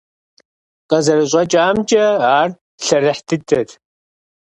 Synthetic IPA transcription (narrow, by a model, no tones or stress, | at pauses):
qʼɐzɐɾɨɕʼɐt͡ʃʼaːmt͡ʃʼɐaːr | ɬɐrɨħtʰɨdɐt